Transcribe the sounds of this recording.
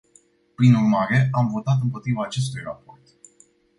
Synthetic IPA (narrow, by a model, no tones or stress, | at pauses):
pɾinurmaɾe̞amvo̞t̪at̪̬ɨmpo̞t̪ɾivaːt͡ʃe̞s̬t̪ujrapo̞rt̪